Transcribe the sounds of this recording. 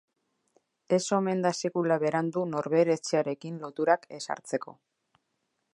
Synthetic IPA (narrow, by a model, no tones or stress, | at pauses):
e̞so̞me̞nd̪ase̞kulaβe̞ɾand̪uno̞ɾβe̞ɾe̞t͡seaɾe̞kinlo̞t̪uɾake̞sa̰ɾt͡se̞ko̞̰